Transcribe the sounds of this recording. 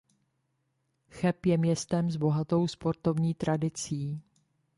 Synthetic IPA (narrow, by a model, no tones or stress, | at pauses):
xɛpjɛmɲɛst̪ɛmzbo̞ɦat̪o̞wspo̞ɾt̪o̞vɲiːt̪ɾʔadɪt͡siː